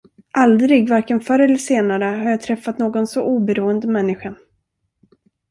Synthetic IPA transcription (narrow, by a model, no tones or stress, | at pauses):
ʔald̪ɾɪɡvaɾkənfœɾɛlːəʂeːnaɾəɦaɾjaːt̪ʰɾɛfːat̪noːɡɔnsɔʔuːbɛɾuːənd̪əmɛnːɪɧa